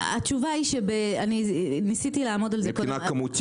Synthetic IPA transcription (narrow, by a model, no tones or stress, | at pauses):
at͡ʃuvaiʃebeaninisit̪ilaːmo̞dalzeknakamut̪